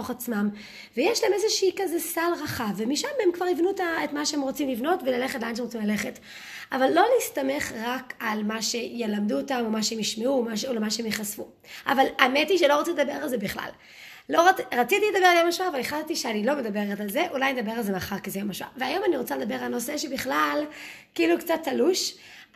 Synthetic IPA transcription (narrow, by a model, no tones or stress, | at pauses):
oχat͡smam | vejeʃlaemezeʃiikazesalʁaχavːemiʃamhemkvaʁivnuetaetmaʃehemʁot͡simlivno̞tvelaleχetlanʃemʁt͡simlale̞χet | avalːo̞listame̞χʁakalmaʃe̞jelamduotamomaʃeemiʃmeumaʃeolemaʃehemjeχasfu | ʔavalametiʃelo̞ʁot͡siled̪abe̞ʁalzebiχla̰lː | o̞ʁaʁat͡sit̪iled̪abealjomaʃuaːvaleχattiʃeanilo̞me̞d̪abe̞ʁetalze̞ʔulajned̪abe̞ʁalzemaχaʁkizejomaʃua̰veajo̞maniʁot͡saled̪abe̞ʁalno̞seʃebiχlalkiiːlukt͡sat̪ʰːaluʃ